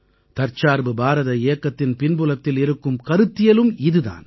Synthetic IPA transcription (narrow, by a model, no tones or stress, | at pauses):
t̪ɐɾt͡ʃaːɾbɯbaːɾɐðɐeːkːɐt̪ːɪnpɪnbɯlɐt̪ːɪlɪɾɯkːɯmkɐɾɯt̪ːɪjɐlɯmɪðɯða̰ːn